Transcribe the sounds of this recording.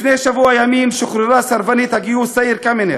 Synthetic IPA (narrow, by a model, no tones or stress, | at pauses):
fnejʃavuajamimʃoχɾiɾasaɾvanit̪haɡiusaiɾkamene